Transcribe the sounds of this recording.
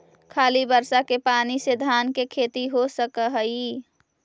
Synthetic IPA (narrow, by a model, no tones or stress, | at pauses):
kʰaːlibəɾsakepaːnised̪ʱaːnkekʰeːt̪iɦosəkəɦəi